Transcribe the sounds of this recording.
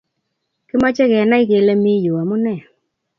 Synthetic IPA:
kɪ˦ma˦t͡ʃɛ˦kɛ˨na˦i˦ke˨le˦mi˦ju˨a˨mʊ˦nɛ˦˨

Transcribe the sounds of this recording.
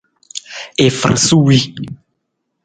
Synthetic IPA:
e˨fɾã̰˨su˦wi˦

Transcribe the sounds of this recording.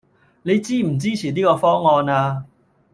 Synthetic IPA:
le˧˦t͡ɕiː˥˨m̩˨˩t͡ɕi˦˥˨ɕi˨l̬i˦˥˩kɔ˧fɔ˦˥ŋɔː˧naː˧

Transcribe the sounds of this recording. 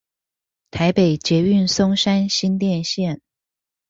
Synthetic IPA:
t̪ʰa˧˥ɪpe˨˩ɪt͡ɕjɛ˧˥y˥˩nsʊ˥ŋʂa˥nɕi˥nt̪jɛ˥˧nɕjɛ˥˨n

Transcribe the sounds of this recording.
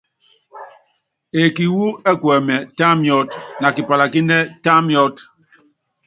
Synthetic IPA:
e˨ki˨wu˦ɛ˦kwɛ˨mɛ˨ta˦mjɔ˦tna˨ki˨pa˨la˨ki˦nɛ˦ta˦mjɔ˦t

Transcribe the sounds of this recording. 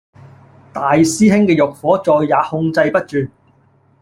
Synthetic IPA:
t̪aː˨jsiː˥ɦɪ˥ŋkɛː˧jʊ˨k̚fɔː˨˥t͡sɔː˨jːaː˨˥hʊ˧ŋt͡sɐ˧jpɐ˥t̚t͡ʃyː˨˧n

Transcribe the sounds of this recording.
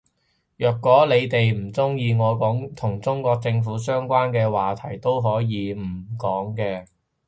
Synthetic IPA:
jœː˨˩kːwɔː˨˥le˨˧jt̪e˨jm̩˨˩t͡sʊ˥ŋjiː˧ŋɔː˨˧kɔː˨˥ŋt̪ʰʊ˨˩ŋt͡sʊ˥ŋkʷɔː˧k̚t͡sɪ˧ŋfuː˨˥sœː˥ŋkʷaː˥nkɛː˧waː˨˩t̪ʰɐ˨˩jt̪o˥wɦɔː˨˥jiː˨˧m̩˨˩kɔː˨˥ŋkɛː˧

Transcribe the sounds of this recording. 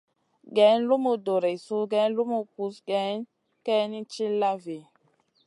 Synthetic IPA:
ɡɛ˨˦n˦lu˦mu˨do˨ɾe˨su˦ɡɛ˨˦n˦lu˦mu˨ku˨˦sɡɛ˨˦n | kɛ˦ni˦t͡ʃi˦la˦ve˨

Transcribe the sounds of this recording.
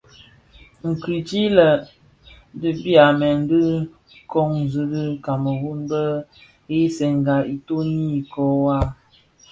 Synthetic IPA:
ŋ̩˨ki˨t͡ʃi˦lə˨ | də˨bi˦a˨mɛ˨n̩˦dɨ˦ | kɔ˦ŋ˨zɨ˦ɾi˦ka˨mə˨wu˦nbə˦ | e˦sɛ˨ŋ˨ɡa˨i˨to˦ni˦˨kɔ˦wa˦

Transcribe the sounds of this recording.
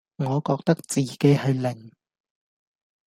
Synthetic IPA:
ŋɔː˨˧kɔː˧k̚t̪ɐ˥k̚t͡siː˨ke˨˥jhɵ˧ɥlɪ˨˩ŋ

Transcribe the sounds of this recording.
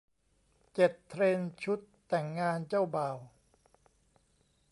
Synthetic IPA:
t͡ɕe˨˩t̪ʰːɾeː˧nt͡ɕʰu˦˥t̪ːɛ˨˩ŋːaː˧nt͡ɕaː˥˩wbaː˨˩w

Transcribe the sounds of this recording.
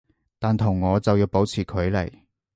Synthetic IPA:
t̪aː˨nt̪ʰʊ˨˩ŋːɔː˨˧t͡sɐ˨wjiː˧wpo˨˥wt͡sʰiː˨˩kʰɵ˨˧ɥlɐ˨˩j

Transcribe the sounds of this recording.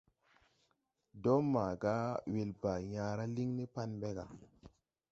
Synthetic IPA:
do˦ma˨ɡa˦we˨lba˨jã˨ɾa˦li˦ŋni˦pa˦nɓe˦ɡa˨

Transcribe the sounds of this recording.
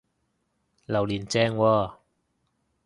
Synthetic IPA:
lɐ˨˩wliː˨˩nt͡sɛː˧ŋwɔː˧˩

